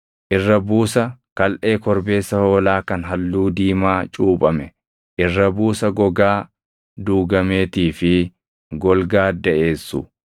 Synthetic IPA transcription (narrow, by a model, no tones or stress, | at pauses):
ʔɪrːɐbuːsɐkɐlʔe̞ːkɔɾbe̞ːsːɐho̞ːlaːkɐnɦɐlːuːd̪iːmaːt͡ʃʼuːpʼɐmɛ | ʔɪrːɐbuːsɐɡɔɡaː | d̪uːɡɐme̞ːt̪iːfɪ | ɡɔlɡaːd̪ɐʔe̞ːsːʊ